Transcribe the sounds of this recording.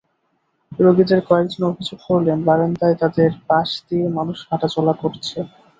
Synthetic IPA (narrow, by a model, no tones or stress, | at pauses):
ɾoɡid̪eɾkɔek̚d͡ʑonobʱid͡ʑoɡkoɾlebaɾend̪aet̪ad̪eɾpaʃd̪iemanuʃɦaʈat͡ɕɔlakoɾt͡ɕʰe